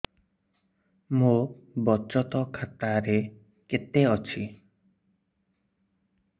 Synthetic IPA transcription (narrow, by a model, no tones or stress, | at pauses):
mobɔt͡ʃɔt̪ɔkʰat̪aɾe | ket̪eɔt͡ʃʰi